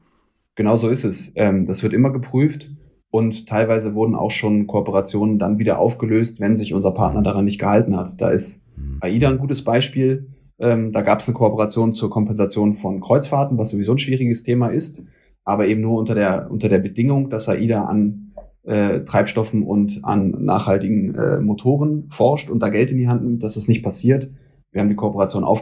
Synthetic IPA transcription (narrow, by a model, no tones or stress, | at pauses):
ɡ̥ənaʊzoːɪstɛsʔɛːmd̥asv̥ɪɐtʔɪmɐɡəpʁ̥yːft | ʔʊnttʰːaɪlvaɪzəvʊɐdn̩ʔa̰ʊxʃoːnkʰoɔpəʁat͡sjoːnəndanviːdɐ̰ʔa̰ʊfɡ̥əløːstv̥ɛnzɪçʔʊnzɐpʰa̰ɐtnɐdaːʁ̞anːɪçtɡ̥əhaltn̩hatd̥a̰ːɪst | ʔaʔiːdanɡuːtəsb̥aɪʃpiːl | ʔɛːmdaːɡaːpə̥snəkʰoɔpəʁat͡sjoːnt͡suːɐkʰɔmpɛnzat͡sjoːnfɔnkʁ̥ɔʏt͡sfaːɐtn̩vasz̥ovizoːnʃv̥iːʁɪɡəstʰeːmaɪst | ʔaːbɐʔeːbm̩nuːɐʊntɐdeːɐʔʊ̰ntɐdeːɐbədɪŋʊŋd̥asaʔiːdaʔa̰nʔɛːtʁ̥aɪpʃtɔfn̩ʔʊ̰ntʔa̰nːa̰ːχhaltɪɡŋ̩ʔɛ̰ːmotʰoːʁənfɔɐʃtʊnt̚d̥aːɡɛltɪndiːɦantnɪmt̚d̥asɛstnɪçt̚pʰasiːɐt | viɐhabm̩dikʰoɔpəʁat͡sjoːnʔa̰ʊf